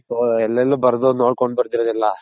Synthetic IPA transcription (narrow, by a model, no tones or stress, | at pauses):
oɛlːɐlːuːbɐɾd̪onoːɽkoɳɖbɐɾt̪iɾod̪ilːɐ